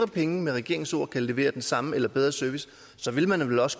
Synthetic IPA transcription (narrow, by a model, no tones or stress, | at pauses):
ʁɐpʰeŋəmeʁɛɡ̥e̝ɐ̰e̝ŋso̝̰ɐ̰kʰæle̝ʋe̝̰ːɐd̥ensɑ̈məelɐb̥eð̞ˠʁɐsøɐʋis | sɒ̽ʋe̝lmænʋelɒ̽sə̥